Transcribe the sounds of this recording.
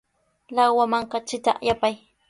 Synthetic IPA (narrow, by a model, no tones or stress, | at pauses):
lawwamaɴqɑt͡ʃɪt̪a̰ʔjapaj